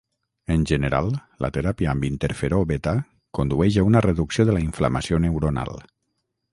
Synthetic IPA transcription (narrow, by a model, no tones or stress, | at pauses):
ənʲʒənəɾa̰lˠlə̰t̪eɾapiəəmbint̪eɾfeɾoβet̪a | kond̪uɛʒaunəreðuksioðəlaiɱflamasionewɾona̰lˠ